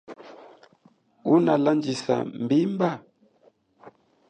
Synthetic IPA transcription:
unaland͡ʒisa̰mbimba

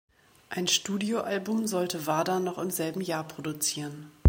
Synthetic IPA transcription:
ʔaɪnʃtuːdioʔalbʊmzɔltəvaːdɐnɔχɪmzɛlbm̩jaːɐpʁ̥odut͡siːʁən

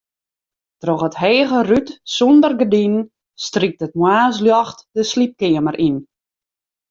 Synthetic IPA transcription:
trɔχətɦeːɣərytsɔndərɡədinn | strik̚tət̚mwaːs̬ljɔxtdəslip̚kɪəməɾʔin

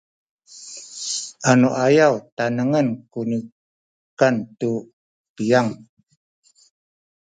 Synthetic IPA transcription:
anoʔajawt̪anəŋənkuni | kant̪u | pijaŋ

